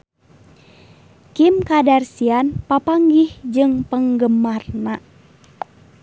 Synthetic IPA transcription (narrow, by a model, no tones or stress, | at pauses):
kimkadarsianpapaŋɡihd͡ʒɨŋpəŋɡəmarna